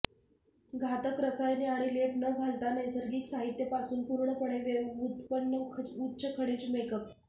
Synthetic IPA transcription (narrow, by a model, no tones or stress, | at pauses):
ɡʱat̪əkɾəsajneaɽ̃ileʈnəɡʱalt̪anəjsəɾɡiːksaɦit̪jəpasuːnpuɾɳəpəɽ̃eʋeut̪pənːəutːɕʰəkʰəɽiːt͡smekəp̚